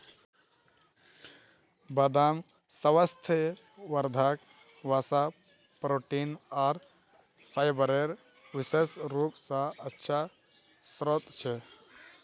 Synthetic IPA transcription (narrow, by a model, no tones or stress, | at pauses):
bəd̪am | səʋəst̪ʰe | ʋəɾd̪ʱak | ʋasa | pɾoʈinaːɾ | sajbəɾeɾ | ʋisesɾupsə̃ətːʃʰa | sɾot̪t͡ʃʰɛ